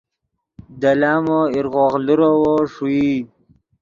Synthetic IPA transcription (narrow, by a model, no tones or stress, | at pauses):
d̪alaːmoiɾɣoːɣluɾowoʂui